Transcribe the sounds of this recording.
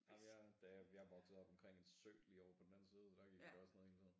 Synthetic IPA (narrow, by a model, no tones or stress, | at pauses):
æjæd̥æjɑhʋɒɡ̥sð̩ˠɒ̽b̥ɒ̽mkʰʁeŋ̰e̝d̥sø̰ːlḭɒʊɐpʰɒ̽d̥enæn̩siːð̞ˠɒd̥æɡ̥iɡ̥jd̥ɒsnɔ̽ðˠhe̝l̥t͡sɔnn̩